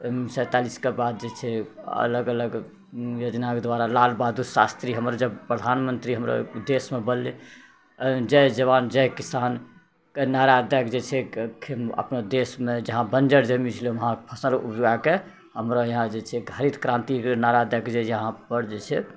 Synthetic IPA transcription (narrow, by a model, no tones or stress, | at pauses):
səjt̪aliskebad̪̚d͡ʒet͡ʃʰɛə̰ləɡələɡ | jod͡ʒnakd̪ʋaɾalalbad̪usast̪ɾiɦəmɾad͡ʒəbpɾəd̪ʱanmənt̪ɾiɦəmɾo̰d̪esmebəlle | d͡ʒɛɦd͡ʒəβand͡ʒɛjkisan | kenaɾad̪əkd͡ʒet͡ʃʰɛkʰeə̰pnod̪esmed͡ʒəɦãbənd͡ʒəɾd͡ʒəmit͡ʃʰəlʋəɦãpʰəsnəlṵbd͡ʒoɡake | həmɾojəɦãd͡ʒet͡ʃʰɛɡʱaɾit̪kɾãnt̪ikenaɾad̪əkd͡ʒejəɦãpəɾd͡ʒet͡ʃʰɛ